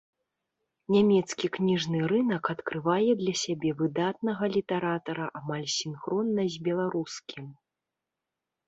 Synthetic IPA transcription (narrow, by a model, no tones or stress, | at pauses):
nʲamʲɛt̪skʲiknʲiʐnɨrɨnɐkɐt̪kɾɨvajɛd̪lʲɐsʲabʲɛvɨd̪at̪̚nɐɣɐlʲit̪ɛɾat̪ɐɾɐʔamalʲsʲinxɾɔnːɐzʲbʲɛlˠaɾuskʲim